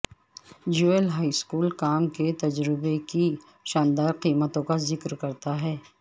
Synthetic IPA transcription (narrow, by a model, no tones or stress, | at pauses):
d͡ʒuːelɦaːiskuːlkaːmket̪ɐd͡ʒɾɪbeki | ʃaːnd̪aːɾqiːmət̪õkazɪkɾkɐɾt̪aɦɛː